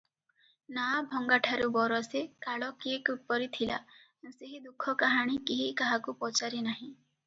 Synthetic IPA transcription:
nabʱɔŋɡaʈʰaɾubɔɾɔsekaɭɔkiekut̪̚pɔɾit̪ʰila̰ | seɦid̪ukʰːɔkaɦaɽ̃ikiɦikaɦakupɔt͡ʃaɾinaɦĩ

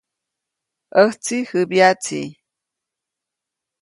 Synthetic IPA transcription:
ʔəht͡sihɨbjat͡sḭ

